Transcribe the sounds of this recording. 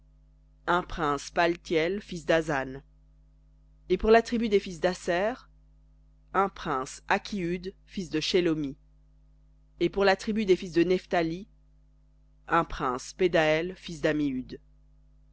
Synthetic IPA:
ɛ̃pχɛ̃spalt̪jɛlfisd̪azan | epuʁlat̪χibyd̪efis̬d̪asɛʁ | ɛ̃pχɛ̃sakʲʰiyd̪fis̬d̪əʃelomi | epuʁlat̪χibyd̪efis̬d̪ənɛft̪ali | ɛ̃pχɛ̃sped̪aɛlfisd̪amiyd̪

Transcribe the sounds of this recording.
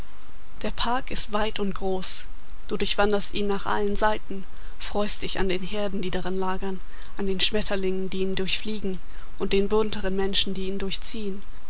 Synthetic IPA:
d̥eːɐpʰaɐkɪstv̥aɪtʊntɡ̥ʁoːs | d̥uːdʊɐçv̥andɐstʔiːnːaːχʔa̰lənzaɪtn̩ | fʁ̥ɔʏst̚d̥ɪça̰ndeːnɦeːɐdn̩diːdaʁanlaːɡɐn | ʔandeːnʃmɛtʰɐlɪŋəndiːndʊɐçfliːɡŋ̩ | ʔʊnt̚d̥eːnbʊntʰəʁənmɛnʃn̩diːiːndʊɐçt͡siːən

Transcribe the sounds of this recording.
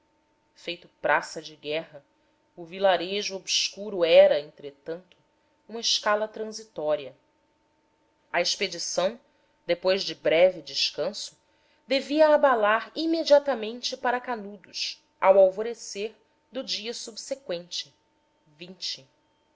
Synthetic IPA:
fejt̪ʊpɾʔasɐd͡ʒɪɡɛɦɐ | ʊvilaɾeʒʊobskuɾʊɛɾɐẽnt̪ɾet̪ɐ̃nt̪ʊ̥ | ũmɐɪʃkalɐt̪ɾɐ̃zit̪ɔɾiɐ | ɐeʃped͡ʒisɐ̃w̃ | d̪epojzd͡ʒɪbɾɛvɪd͡ʒɪʃkɐ̃sʊ̥ | d̪eviɐːbalaɾimed͡ʒiat̪ɐmẽnt͡ʃɪpaɾɐkanud̪ʊʃ | awawvoɾeseɾ | d̪ʊd͡ʒiɐsubsekwẽnt͡ʃɪ | vĩnt͡ʃɪ

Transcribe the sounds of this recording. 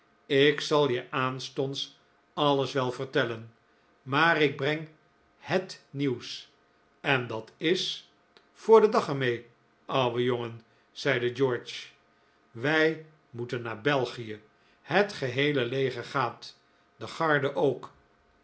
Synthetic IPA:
ɪksɑlˠjəʔaːnstɔnts | ɑləsʋɛlˠvəɹtɛlən | maːrɪɡ̚brɛŋ | hətniws | ɛndɑtɪs | fʊːɹdədɑχəɹmej | ʔɑwwʋəjoŋən | z̥ɛjdəd͡ʒɔɹt͡ʃ | ʋɛj | mutənːaːɹbɛlˠχijə | hətχəɦejləlejχəɹχaːt | dəχɑɹdəʔowk

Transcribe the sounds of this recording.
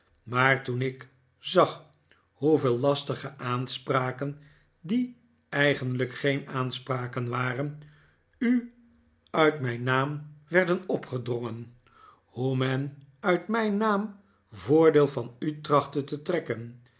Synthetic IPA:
maːɹtunɪk | zɑχ | ɦuvɪːlˠlɑstəχəʔaːnspraːkən | di | ɛjχəndləkχejnaːnspraːkənʋaːrən | y | œɥtmɛjnːaːmʋɛɹdənɔpχədrɔŋən | humɛnœɥtmɛjnaːm | vʊːɹdeːlˠvɑnytrɑχtətətrɛkən

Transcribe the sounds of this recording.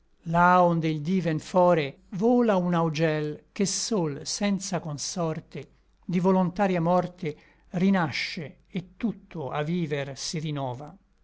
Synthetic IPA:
laond̪eild̪iːvɛnfɔːɾe | voːlaunaud͡ʒɛlk̟esolsɛnt̪sakonsɔrt̪e | d̪ivolont̪aːɾjamɔrt̪e | rinaʃːe | et̪ːut̪ʰːoa̰viːversirinɔːva

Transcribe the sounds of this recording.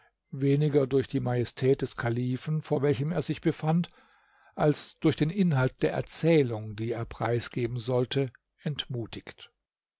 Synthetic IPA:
veːnɪɡɐdʊɐçd̥iːmajɛstʰɛːt̚d̥ɛskʰaliːfn̩foːɐvɛlçəmeːɐzɪçb̥əfant | ʔalsd̥ʊɐçd̥eːnʔɪnɦalt̚d̥eːɐʔɛ̰ɐt͡sɛːlʊŋdiːeːɐpʁ̥a̰ɪsɡ̥eːbm̩zɔltʰə | ɛntmuːtʰɪçt

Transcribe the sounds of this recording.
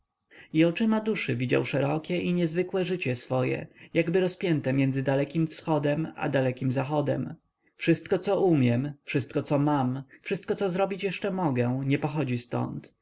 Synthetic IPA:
iɔt͡ʂɘmad̪uʂɘvʲid͡ʑa̰wʂɛɾɔkʲɛʔiɲɛzvɘkwɛʐɘt͡ɕɛsfɔjɛ̰jaɡbɘɾɔspʲjɛnt̪ɛmʲjɛnd̪zɘd̪alɛkʲimfsxɔd̪ɛma̰d̪alɛkʲimzaxɔd̪ɛ̰m | fʂɘst̪̚kɔt̪sɔʔumʲjɛmfʂɘst̪̚kɔt̪sɔmamfʂɘst̪̚kɔt̪sɔzɾɔbʲit͡ɕjɛʂt͡ʂɛmɔɡɛɲɛpɔxɔd͡ʑist̪ɔ̰nt̪

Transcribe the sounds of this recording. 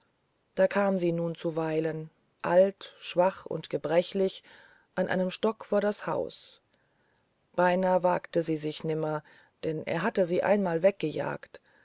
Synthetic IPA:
d̥aːkʰaːmziːnuːnt͡suvaɪlən | ʔaltʃv̥aχʊ̰ntɡ̥əbʁɛçlɪç | ʔanʔa̰ɪnəmʃtɔkfoːɐɾasha̰ʊs | b̥aɪnaːva̰ːktəziːzɪçnɪmɐ | d̥ɛnʔḛːɐɦatəziːʔa̰ɪnmaːlvɛk̚ɡ̥əja̰ːkt

